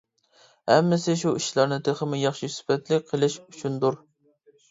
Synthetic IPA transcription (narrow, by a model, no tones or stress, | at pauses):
hɛmːɪsɪʃuiʃlˠɑɾnɨt̪ʰeχəmɪjɑχʃisy̥fɛt̪lɪk̚ʲqʰəlˠɪʃut͡ʃʰnd̪uɾ